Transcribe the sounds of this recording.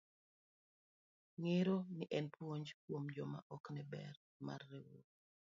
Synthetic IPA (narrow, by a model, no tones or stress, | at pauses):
ŋeɾoniʔɛnpwoɲd͡ʒkwomd͡ʒɔma̰ʔɔknɛbɛr | ma̰rːewo